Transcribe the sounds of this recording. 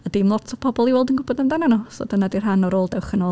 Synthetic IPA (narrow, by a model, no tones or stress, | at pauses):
ədɪmlˠɔtʰɔpʰɔbɔlˠiwɛlˠdənɡʊbɔdamdananuso̰ːdənadir̥ɦanɔɾoːlˠdɛwχənoː